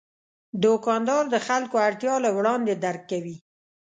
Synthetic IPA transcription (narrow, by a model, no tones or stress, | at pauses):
d̪okɑnd̪ɑɾd̪əxalkoaɽt̪jɑlawɽɑnd̪ed̪aɾkːawi